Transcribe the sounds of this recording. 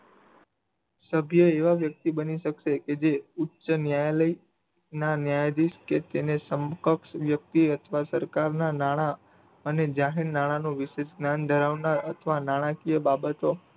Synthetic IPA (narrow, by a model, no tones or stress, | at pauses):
səbʱjəeʋaʋjək̚t̪ibəniʃəkʃeked͡ʒeutːʃənjajaləi | nanjajd̪iʃket̪enesəmkəkʃʋjək̚t̪iət̪ʰʋasəɾkaɾnanaɽ̃a | əned͡ʒaɦiɾnaɽ̃anũʋɪʃeʃɡnand̪ʱəɾaʋnaɾət̪ʰʋanaɽ̃ãkijəbabət̪o